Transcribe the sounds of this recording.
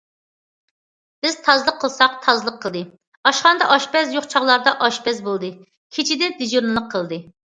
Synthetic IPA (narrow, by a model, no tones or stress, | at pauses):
b̥ɪzt̪ʰɑzlˠəqʰːəlˠsɑq̚t̪ʰɑzlˠəqʰːəlˠd̪ɨ | ɑʃχɑnd̪ɑʔɑʃpɛzjoχt͡ʃʰɑʁlˠɑɾd̪ɑʔɑʃpɛzbolˠd̪ɨ | kʲʰit͡ʃʰid̪ɛd̪ɪd͡ʒuɾnɨlˠəqʰːəlˠɨd̪ɨ